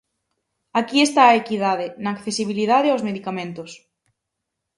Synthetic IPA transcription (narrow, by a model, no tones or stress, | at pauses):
akiest̪aːekiðað̞enaːkθesiβilið̞aðeawzmeðikamẽnt̪ʊs